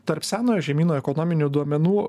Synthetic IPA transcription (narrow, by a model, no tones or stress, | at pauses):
t̪ɐɾpʲsʲæːnoːjoːʒʲɛmʲiːnoːɛkɔnɔmʲɪnʲʊd̪uɔmʲɛnuː